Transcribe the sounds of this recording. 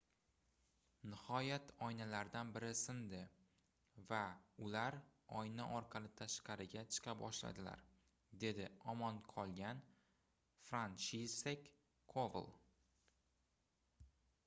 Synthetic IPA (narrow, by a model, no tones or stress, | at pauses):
nɪhɒjat̪ʰɒjnalaɾd̪anbɪɾɪsɪnd̪ɪ | vaʊlaɾɒjnaʔɒɾqʰɑlˠɪt̪ʰaʃqɑɾɪɡʲat͡ʃʰɨ̥qʰɑp̚bɒʃla̰d̪ɪla̰ɾ | d̪e̞d̪ɪɒmɒnqʰɒlˠɡʲan | fɾant͡ʃisekʲʰː | ov̰lˠ